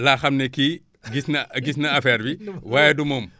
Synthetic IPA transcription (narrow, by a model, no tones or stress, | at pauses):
laːxɐmneki | ɡisnɐɡisnɐɐfɛɾbiwaːjedumoːm